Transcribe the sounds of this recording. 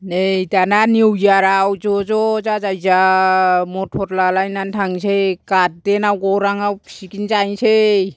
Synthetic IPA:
nejtananiwjaɾawd͡ʒɔd͡ʒɔzazajza | mɔtʰɔɾlalajnantʰaŋsekat̚denawɡɔɾaŋawʰsikinzajnsej

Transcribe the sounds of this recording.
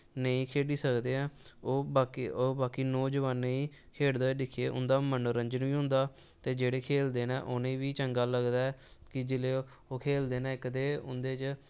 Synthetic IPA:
nəĩːkʰeːɖiːsəkd̪eːɛ̃ːoːaːkoːbaːkiːnoːd͡ʒəʋaːnːəĩː | kʰeːɽd̪aːɖɪkʰːeːʔʊ̰nd̪aːmənoɾəɲd͡ʒənʋiːɦʊ̃nd̪aː | t̪eːd͡ʒeːɽeːkʰeːld̪eːna̰ːʔonẽːʋiːt͡ʃəŋɡaːləɡd̪aːɛːkɪd͡ʒɪleː | oːkʰeːld̪eːnãːɪkəd̪eːʊ̰nd̪eːt͡ʃ

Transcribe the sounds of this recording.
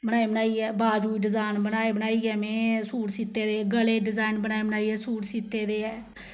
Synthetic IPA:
bənaːeːbənaːiːɛːbaːd͡ʒuːiɖɪzaːnbənaːeːbənaːiːɛːmẽːsuːɾsɪt̪ːeːd̪eːɡəleːɖɪd͡ʒaːɪnbənaːebənaːiɛːsuːɾsɪt̪ːeːd̪eːɛː

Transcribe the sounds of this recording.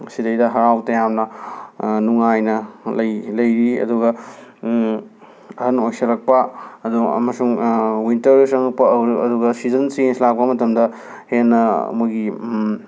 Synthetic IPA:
sidɐjdɐɦɐɾawtɐjamnɐ | nuŋajnɐlɐjlɐjɾiɐ̰duɡɐ | ɐhɐnojsɐlɐk̚pɐːduɐ̰mɐsuŋwintɐɾusɐŋɐk̚pɐɐwɾɐduɡɐsizɐnsieslak̚pɐmɐtɐmdɐ | henːɐ̰mujɡi

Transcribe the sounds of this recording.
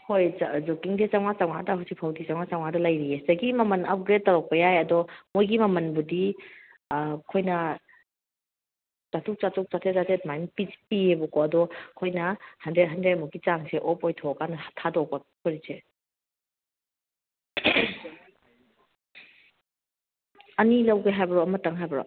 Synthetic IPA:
hojzɔkiŋset͡ʃawŋat͡ʃawŋadɐɦɔsipʰawdit͡ʃawŋat͡ʃawŋadɐlajɾiesɐɡimɐmɐnap̚ɡɾet̚ːaɾɔk̚pɐjajɐdɔmojɡimɐmɐnbudi | kʰojnɐ | t͡ʃatʰuk̚t͡ʃatuk̚t͡ʃatʰezatʰet̚majnpispiebɔkɔɐdɔkʰojnɐhɐndɾet̚ɦandɾetmuɡit͡ʃaŋseʔɔpɔjtʰɔkanɐhtʰːadɔk̚bakʰɔɾise | ɐnilɐwɡeɦajbɐɾɔmɐtaŋɦajbɐɾɔ̰

